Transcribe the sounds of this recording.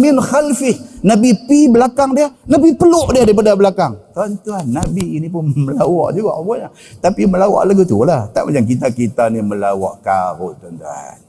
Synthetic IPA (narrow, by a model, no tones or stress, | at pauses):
mɪnxalfɪhnabipibəlakaŋdiəhnabipəlʊʔdiədaɾip̬adabəlakaŋt̪ɾɔnt̪uanːabiːnip̬ʊnməlawɔ̰ʔd͡ʒuɡa̰ʔbɔɲa | t̪apiməlawa̰ʔlaɡit̪ulaht̪a̰ʔmat͡ʃamk̬it̪akit̪animəlawa̰ʔkaɾʊt̪ɔnt̪a̰n